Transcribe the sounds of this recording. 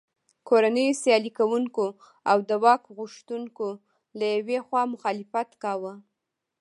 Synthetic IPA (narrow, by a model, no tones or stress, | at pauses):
kʰoɾanəjosjɑlikawuŋko | awd̪əwɑkɣʊʃt̪unko | lajawexwɑmʊxɑlɪfat̪kɑwə